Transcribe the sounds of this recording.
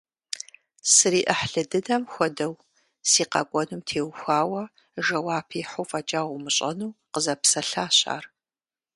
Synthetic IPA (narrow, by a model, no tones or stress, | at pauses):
sɨɾiːʔɐħɬɨdɨdɐmxʷɔdɐw | siːqɐ̰ɡʷʼɔnumtʰeːwxʷaːwɐ | ʒɐwaːpʰiːħuwfɐt͡ʃʼaːʁʷʊmɨɕʼɐnuːqəzɐpsɐɬaːɕʼa̰ːr